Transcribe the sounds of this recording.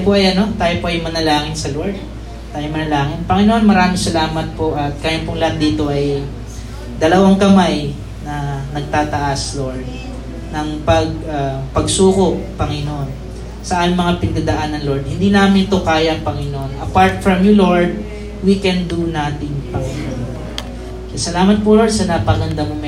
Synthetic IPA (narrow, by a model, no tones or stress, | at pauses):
poʔɐjʔɐno̞t̪aːjopoʔɐjmɐnɐlaːŋɪnsɐloɹd̪̚ | t̪aːjomɐnɐlaːŋɪnpɐŋɪnoʔonmɐɾaːmɪŋsɐlaːmɐt̪̚po̞ʔɐt̪̚kaːjɐnpʊŋlat̪̚d̪iːt̪o̞ʔɐj | d̪ɐlɐwaŋkɐmaj | nɐnɐɡ̚t̪aːt̪ɐʔaslo̞ɹd̪̚ | nɐŋpɐɡapɐɡsuːkoppːɐŋɪnoʔon | sɐʔaːmɪŋmɐŋapɪnɐd̪ad̪ɐʔanɐnlo̞ɹd̪̚hɪnd̪iːnaːmɪnt̪okaːjɐɐŋpɐŋɪnoʔonʔɐpaɹt̪̚fɹɐmjʊlo̞ɹd̪̚ | wikɛnd̪unat̪ɪŋpɐŋɪnoʔonpo | ksɐlaːmɐt̪̚polo̞ɹd̪sɐnɐpɐɡɐnd̪amʊmɛ